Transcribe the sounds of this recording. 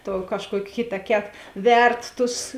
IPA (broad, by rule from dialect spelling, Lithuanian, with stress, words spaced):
tuɔ kɐʃˈkuɔkʲ ˈkʲɪtɐˌkʲɛt ˈʋʲɛrt ˈtʊs